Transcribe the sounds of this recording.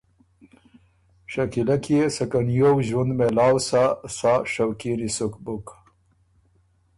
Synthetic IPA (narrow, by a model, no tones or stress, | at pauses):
ʂakilakjesɐkanjowʑwund̪melaːwsasaʂawkinisukbuk